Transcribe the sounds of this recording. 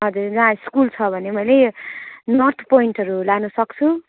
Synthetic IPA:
ʌd͡zurd͡zãskult͡sʰʌbʱʌnemʌjle | nʌrt̪ʰpoiɳʈɦʌɾulanusʌkt͡sʰu

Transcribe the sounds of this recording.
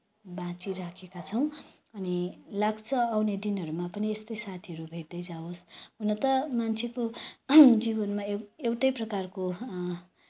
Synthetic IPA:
bãt͡siɾakʰekat͡sʰʌw̃ | ʌnilaɡt͡sʰʌawned̪inɦʌɾumapʌniest̪ʌjsat̪ʰiʌɾubʱeʈd̪ʌjd͡zaosɦunʌt̪ʌmant͡sʰeko | d͡zibʌnmaeewʈʌjprʌkarko

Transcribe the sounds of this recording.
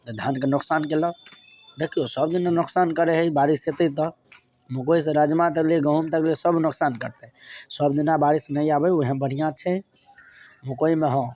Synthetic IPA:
t̪ɔd̪ʱankenʊksankelɔ | d̪ekʰijosəb̚d̪inanuksankəɾeɦəibaɾiset̪ət̪̬ɔ | mukois̬ẽɾəd͡ʒmat̪̬əklieɡəɦumt̪əkliesəbʱnʊksankəɾt̪ɛsəbd̪inabaɾisnəiabɛoɦə̃mbəɽ̤ijãt͡ʃʰɛ̃ | mukoimeɦɔ̃

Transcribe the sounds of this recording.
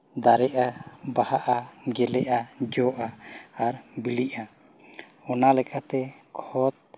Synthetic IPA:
d̪aɾɛʔabahaʔaɡɛlɛʔad͡ʒɔʔaaɾbiliʔa | ɔnalɛkʰat̪ɛkʰɔt̪̚

